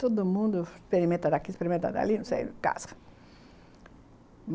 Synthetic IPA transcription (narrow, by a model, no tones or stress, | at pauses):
t̪od̪ʊmũnd̪ʊspeɾimẽnt̪ɐd̪akispeɾimẽnt̪a̰d̪a̰linũsḛjka̰sɐ̥ | m